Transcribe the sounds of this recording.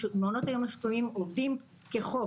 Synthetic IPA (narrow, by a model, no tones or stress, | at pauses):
meonotajo̞maʃtonimovdim | keχo